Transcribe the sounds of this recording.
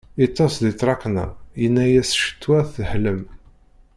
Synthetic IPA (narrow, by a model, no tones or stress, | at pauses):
it̪ˤːɑsðit̪ˤːɾˤɑknə̰jənːæjæsʃə̥t̪ːwæθəhləm